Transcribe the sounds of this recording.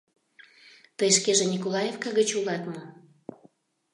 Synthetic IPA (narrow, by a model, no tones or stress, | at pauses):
t̪əjʃkeʒenʲikolɑjefkɑɣət͡ɕulɑt̪mo